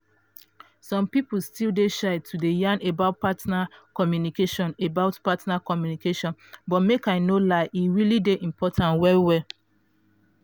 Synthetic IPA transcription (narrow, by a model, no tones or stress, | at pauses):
sɔ̃mpipl̩stildeʃaɪtʰudejãnebaʊt̚patnakɔmjunikeʃɔ̃nebaʊtpatnakɔmjunikeʃɔ̃nbɔtmekaɪnolaɪʔiɹilideʔĩmpʰɔtʰãntwɛwɛl